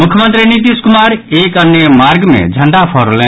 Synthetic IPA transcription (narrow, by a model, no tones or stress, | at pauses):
mukʰjəmə̃nt̪ɾinit̪̬iskumaɾekənjəmaɾɡmḛ̃d͡ʒʱəɳɖapʰɔɾole